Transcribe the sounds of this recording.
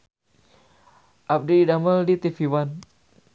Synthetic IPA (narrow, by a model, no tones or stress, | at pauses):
ʔap̚diidaməldit̪ifiwan